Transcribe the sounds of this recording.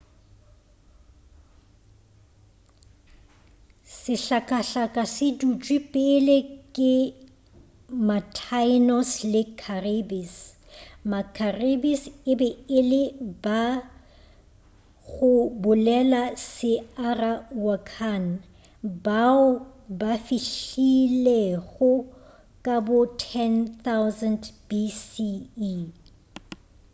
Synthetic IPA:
sɪɬakʼaɬakʼasɪdut͡ʃʼwipʼɪlekʼɪ | matʰaɪnɔslɪkʰarebis | makʰarebisɪbɛɪlɪba | ɣʊbʊlɛlasɪarawakʰan | baʊbafiɬileɣʊ | kʼabʊtʰɛnθawzɛndbisi

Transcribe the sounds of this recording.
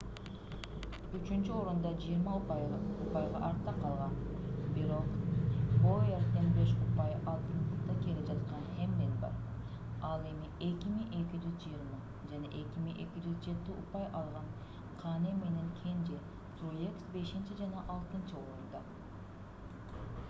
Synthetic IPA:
yt͡ʃynt͡ʃyo̞ɾund̪ɑd͡ʒijiɾmɑupɑjupɑjʁɑ̰ʔɑɾt̪ːɑqʰɑlˠʁɑnbiɾo̞qbojɑɾt̪t̪enbe̞ʃupɑjɑlˠt̪ɯnt̪ɯkt̪ɑke̞lipd͡ʒɑt̪qɑnhe̞md̪enbɑ̰ɾ | ɑlˠe̞mie̞kʲimiŋʔe̞kʲid͡ʒyzd͡ʒijiɾmɑ | d͡ʒɑneʔe̞kʲimiŋʔe̞kʲid͡ʒyzd͡ʒe̞t̪iupɑjʔɑlˠʁɑn | qʰɑnemːe̞ne̞ŋkʲʰe̞nd͡ʒe | zɾujeksbe̞ʃint͡ʃid͡ʒɑnɑʔɑlˠt̪ɯnt͡ʃɯoɾund̪ɑ

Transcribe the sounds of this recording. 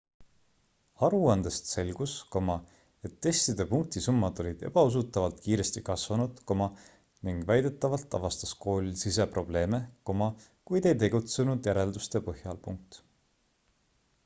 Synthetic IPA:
ɑɾuɑnd̪̥est̪se̞lɡ̥usko̞mɑ | e̞t̪ːe̞st̪id̪̥e̞puŋk̚t̪isumːɑd̪̥o̞lʲid̪̥e̞b̥ɑus̬ut̪ːˑɑvɑlt̪̚kiːɾe̞st̪ikɑsvɑnud̪̥ko̞mɑ | niŋɡ̥væjd̪̥e̞t̪ːˑɑvɑlt̪ːˑɑ̰vɑst̪ɑ̥sko̞ːlisise̞pro̞b̥le̞ːmeko̞mɑ | kujd̪e̞jt̪e̞ɡ̥ut̪se̞nud̪̥jæɾe̞ld̪ust̪e̞pɤhjɑlpuŋk̚t̪

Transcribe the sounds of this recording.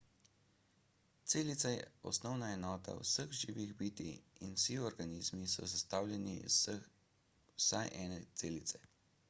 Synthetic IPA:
t̪seːlit̪sajɛ̰ɔ̰snɔwnaɛnɔːt̪a̰wsəɣʒiːʋiɣbiːt̪iinwsiɔɾɡaniːzmisɔ̰sast̪aːwljɛnḭ | wsajʔɛːnɛt̪seːlit̪sɛ

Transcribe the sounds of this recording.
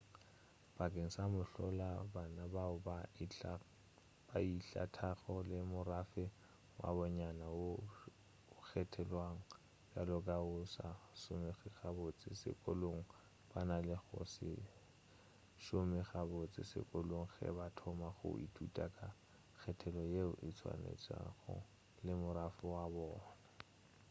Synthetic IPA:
b̥akʼeŋ̩samʊɬɔlabanabaʊba | b̥aiɬa̰tʰaχɔlɪmʊrafɪ | wʔa̰bɔɲanawo | k͡xʰɛtʰɛlwaŋ̩ | balɔkʼaʊsa̰sʊmɪχiχabot͡sʼɪsɪ̰kʼoloŋ̩ | b̥analɪχʊ̰sɪ̰ | ʃʊmɪχabʊt͡sʼɪsɪ̰kʼoloŋ̩χɛ̰batʰɔmaχʊ̰itʰutʼakʼa | k͡xʰɛtʰɛlɔjeʊʔɪt͡sʰwa̰nḛt͡sʼa̰χʊ̰ | lɪmʊɾafɪwabɔːna

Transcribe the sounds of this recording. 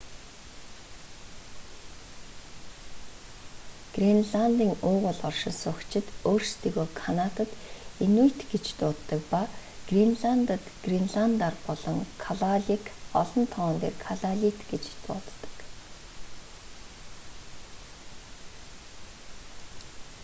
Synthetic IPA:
ɡ̥rinɮant̪iːŋʊːʁʊɮɔrʃɪ̆nsʊkt͡ɕʰɪ̆t̪oːrst̪ʰiːɣoːkʰanat̪ə̆t̪enujʰt̪ɡet͡ɕt̪ʊːt̪ːə̆k̚paɡ̥rinɮant̪ə̆t̪ɡ̥rinɮant̪arpɔɮɞ̆ŋkʰaɮaɮikɔɮɞ̆nt̪ʰɔːnt̪ḛːrkʰaɮaɮʲit̪ɡet͡ɕt̪ʊ̰ːt̪ːə̥̆k

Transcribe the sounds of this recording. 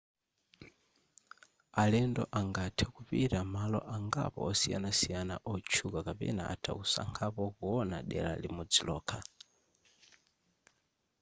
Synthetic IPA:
alɛndɔʔaŋɡatʰɛkupiɾamalɔʔaŋɡa̰pɔɔsija̰nasijanaʔɔt͡ʃʰukakapɛ̰na̰ʔatʰausa̰ŋkʰapɔkuɔnaɗɛ̰la̰limud͡zilɔːkʰa

